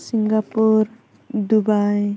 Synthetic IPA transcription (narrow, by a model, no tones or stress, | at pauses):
siŋɡapuɾ | d̪ubaj